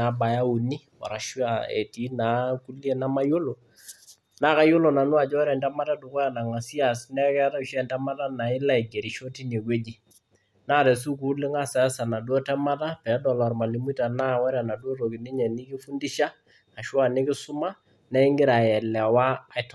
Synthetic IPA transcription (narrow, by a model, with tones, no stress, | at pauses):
a˨˦ba˨ja˦u˨ni˦wa̰˨ɾa˨ʃu˦a˨ḛ˨ti˨˦na˨˦ku˦lje˦na˦ma˦jo˦lo˨ | na˦ka˦jo˦lo˨na˨nʊ˦a˨d͡ʒɔ˦wɾɛ˨ndɛ˦ma˦ta˦du˨kɔ˦ja˨na˨ŋa˨si˦a˨snɛ˦kɛ˦ta˦u˨ʃɛ˦˨ntɛ˦ma˦ta˦na˨ɪ˦la˦i˨ɡe˨ɾi˨ʃo˦ti˦ne˨kwe˦d͡ʒi˨ | na˦˨ɾɛ˨s̬u˦kuː˨˦lɪ˦ŋa˦sa˨˦a˦sa˨na˨dwɔ˦tɛ˦ma˦ta˦pɛ˨˦dɔ˨lɔ˨ɾma˨li˨m˦i˦ta˨na˦wɛ˦ɾa˨na˨dwo˦ɾo˨ki˨nɪ˦ɲɛ˨nɪ˦kɪ˦fu˦ndi˦ʃa˦ | a˨ʃwa˨nɪ˦kɪ˦sʊ˦ma˦ | nɛ˦ɪ˦ŋɡɪ˦ɾa˨jɛ˨lɛ˨waː˦˨ɪ˨tɔ˨